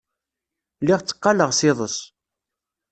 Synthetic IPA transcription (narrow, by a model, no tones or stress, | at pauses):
lɪʁt͡sːə̥qːɑləʁsɪðˤəs